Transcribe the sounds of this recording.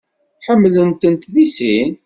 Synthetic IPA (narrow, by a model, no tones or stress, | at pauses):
ħəmːlənt̪ənt̪ðisin